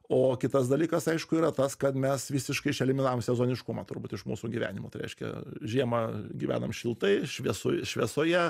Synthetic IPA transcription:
oːkʲɪt̪ɐsd̪ɐlʲiːkɐsɐɪʃkʊiːɾɐt̪ɐskɐt̪mʲɛsʋʲisʲɪʃkɐɪʃʲɛlʲɪmʲɪnɑːʋoːmsʲɛzoːnʲɪʃkʊmɐt̪ʊɾbuːt̪ɪʃmṵːsuːɡʲiːʋʲæ̰ːnʲɪmoːt̪ɐɪɾʲɛɪʃʲkʲɛ̰ʒʲiɛmɐɡʲiʋʲæ̰ːnɐmʃʲɪlˠt̪ɐɪʃʲʋʲiɛso̰ːʃʲʋʲiɛsoːjɛ

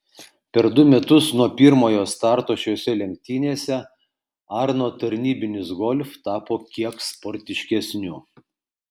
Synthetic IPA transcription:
pʲɛɾd̪ʊmʲɛt̪ʊsnuɔpʲiɾmoːjoːst̪ɑˑɾt̪oːʃʲojɔsʲɛlʲɛŋʲk̚t̪ʲiːnʲeɛsʲɛ | ɑɾnoːt̪ɐɾʲnʲiːbʲɪnʲɪsɡɔlʲft̪ɑːpoːkʲiɛkspɔɾʲt̪ʲɪʃʲkʲɛsʲnʲʊ

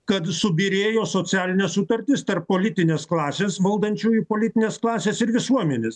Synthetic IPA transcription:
kɐt̪sʊbʲiɾʲeːjoːsoːsʲæːlʲɪnʲɛsʊt̪ɐɾʲt̪ʲɪst̪ɐrppoːlʲɪt̪ʲɪnʲeːsklˠɑːsʲeːsʋɐlˠd̪ɐnʲt͡ʃʲuːjupoːlʲɪt̪ʲɪnʲeːsklˠɑːsʲeːsɪɾʋʲɪsuɔmʲɛnʲeːs

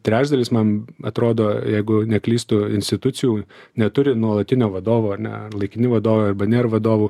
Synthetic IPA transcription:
t̪ʲɾʲæːt͡ʃd̪ɐlʲɪsmɐnɐt̪ɾoːd̪oːjɛɪɡʊnʲɛklʲiːst̪ʊɪnʲsʲt̪ʲɪt̪ʊt͡s̪ʲɪjuːnʲɛt̪ʊɾʲɪnuɔlˠɐt̪ʲɪnʲoːʋɐd̪oːʋoːɐnʲɛ̰lˠɐɪkʲɪnʲɪʋɐd̪oːʋoːɐɾbɐnʲeːɾʋɐd̪oːʋuː

